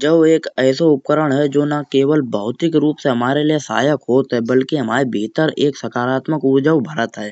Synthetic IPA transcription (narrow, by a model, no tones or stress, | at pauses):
d͡ʒəʋeːkɛːsoʊp̚kəɾəɽ̃ɦɛd͡ʒoːnakeːʋəlbʱəɦʊt̪ɪkɾuːpseɦɐmaːɾeliesa̰ːjəkɦoːt̪ɦɛbɐlkiɦɐmaːɾebʱiːt̪əɾeːksɐkaːɾaːt̪məkʊɾd͡ʒəwbʱəɾət̪ɦɛː